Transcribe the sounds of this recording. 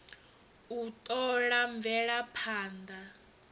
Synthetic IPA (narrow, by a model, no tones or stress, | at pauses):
utʼɔɺaɱbvʱɛɺapʰaːndʱa